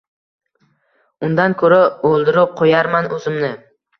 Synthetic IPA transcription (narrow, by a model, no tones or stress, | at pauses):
ʊnd̪ankʰɵɾaolˠd̪ɪɾɪp̚qʰojaɾmanɵzɪmnɪ